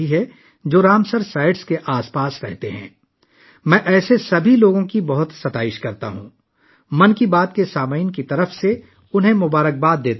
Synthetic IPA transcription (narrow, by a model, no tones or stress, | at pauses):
iɦɛ | d͡ʒoːɾaːmsəɾsaːɪɖskeʔaːspaːsɾɛ̰ɦt̪eɦɛ̰̃ː | mɛ̃ːʔɛːsesɐbʱiloːɡõkibɐɦʊt̪sɐt̪aːɪʃkɐɾt̪a̰ɦṵ̃ː | mɐnkibaːt̪kesaːməiɪnkit̪ɐɾəfse | ʊnɦẽmʊbaːɾək̚baːd̪̚ːeːt̪